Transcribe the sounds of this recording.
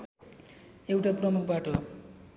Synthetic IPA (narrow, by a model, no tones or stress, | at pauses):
ewʈaprʌmuk̚ʰbaʈo